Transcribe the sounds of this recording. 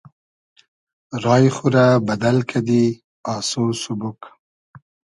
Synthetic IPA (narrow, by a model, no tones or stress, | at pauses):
ɾɑːjχʊɾabad̪alkʰad̪i | ɑsosʊbʊk